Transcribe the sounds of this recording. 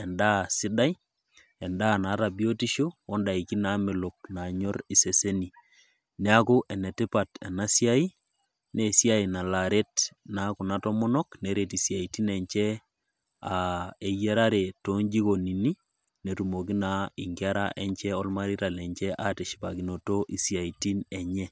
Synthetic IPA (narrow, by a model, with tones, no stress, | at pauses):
ɛ˨nda˦˨si˦da˦j | ɛ˨nda˦na˨˦ta˨bi˦o˦ti˦ʃo˦ɔ˦nda˨i˨ki˦na˨˦me˨lo˨k̚na˨ɲɔ˦ɾi˨se˨se˦ni˨ | ne˦a˦ku˦ʔɛ˨ne˨ti˦pa˨tɛ̰˨na˦si˦a˦i˦ | ne˨si˦a˦i˨na˨la˨ɾe˦tnaku˨na˦tɔ˦mɔ˦nɔ˦kne˨ɾe˨ti˨sja˨i˨ti˦nɛ˨ɲt͡ʃɛ˦ | a˨e˨jɛ˦ɾa˦ɾe˨to˦ɲd͡ʒi˦ko˨ni˨ni˦ | ne˨tu˨mo˨ki˦na˨i˨ŋɡa˦ɾa̰˦ʔɛ˦ɲt͡ʃɛ˦ɔ˦lma˦ɾi˦ɾa˨lɛ˨ɲt͡ʃɛ˦ʔa˦te˨ʃi̥˨pa˨ki˨no˨to˦ʔi˨sja˨i˨ti˦nɛ˨ɲɛ˦